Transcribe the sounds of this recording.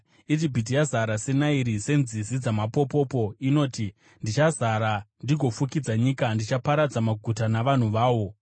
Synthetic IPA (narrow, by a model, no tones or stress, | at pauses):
id͡ʒibʱit̬ijazaɾase̞naiɾise̞nzizid͡zamapopo̞po̞ino̞ːti | ndit͡ʃazaɾandiɡʱo̞fukid͡zaɲiːkandit͡ʃapaɾad͡zamaɡʱutanaʋan̤uʋaːʋo̞